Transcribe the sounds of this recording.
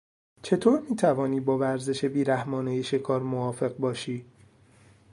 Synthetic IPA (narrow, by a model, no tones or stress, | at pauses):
t͡ʃʰe̞t̪ʰoːɾmiːt̪ʰævɒːniːbɒːvæɾze̞ʃe̞biːɾæhmɒːnejeʃe̞kʰɒːɾmoɒːfe̞ɣ̚bɒːʃiː